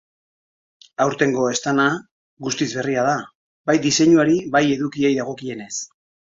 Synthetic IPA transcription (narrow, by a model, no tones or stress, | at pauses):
awɾt̪e̞ŋɡo̞e̞st̪ana | ɣust̪izβe̞riaða | bajd̪ise̞ɲuaɾiβaje̞ðukie̞jðaɣ̞o̞kie̞ne̞s